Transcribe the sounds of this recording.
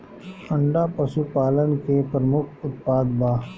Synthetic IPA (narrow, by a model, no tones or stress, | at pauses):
ɐ̃ɳɖapəʃupaːlənkepɾəmʊkʰʊt̪paːd̪baː